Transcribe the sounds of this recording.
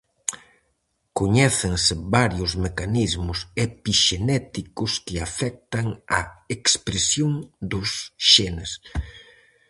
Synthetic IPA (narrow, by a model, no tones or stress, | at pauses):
koɲɛθeŋsɪβaɾjʊzmekanizmʊsepiʃenɛt̪ikʊskɪafɛk̚t̪ɐŋɐekspɾesjoŋd̪ʊsʃenes